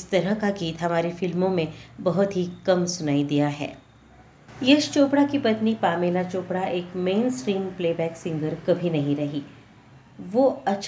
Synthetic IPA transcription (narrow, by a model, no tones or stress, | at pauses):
ɪst̪ɐɾəɦkaɡiːt̪ɦɐmaːɾefɪlmõmẽbɐɦʊt̪ɦikɐmsʊnaːid̪ijaɦɛ̰ː | jɐʃt͡ʃoːpɽakipɐt̪nipaːmeːlat͡ʃoːpɽaʔeːkmẽːnsʈɾiːmpleːbɛːksɪ̃ŋɡəɾkɐbʱinɐɦĩɾɐɦiː | ʋoːɐtːʃʰ